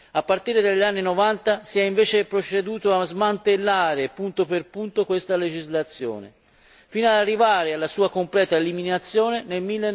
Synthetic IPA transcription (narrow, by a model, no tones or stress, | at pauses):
apːart̪iːɾed̪aʎːanːinovant̪asiɛiɱveːt͡ʃepɾot͡ʃed̪uːt̪oazmant̪elːaːɾepunt̪operpunt̪okwest̪aled͡ʒizlat̪sːjo̰ːnḛ | fiːnoad̪arːivaːɾealːasuːakomplɛːt̪aeliminat̪sːjoːnenelmilːe